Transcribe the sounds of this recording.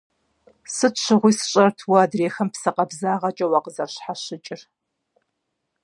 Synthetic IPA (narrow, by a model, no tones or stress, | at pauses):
sɨtɕʰʷɨʁʷʊːsɨ̥ɕʼɐrtʰwaːdreːxɐmpsɐqɐbzaːʁɐt͡ʃʼɐwɑːqəzɐrɕħaɕɪt͡ʃʼɪr